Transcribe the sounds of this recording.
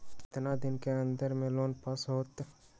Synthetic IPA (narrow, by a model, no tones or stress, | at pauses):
t̪ɪnad̪ɪnkeɐ̃nd̪əɾmẽloːnpɐsɦoːt̪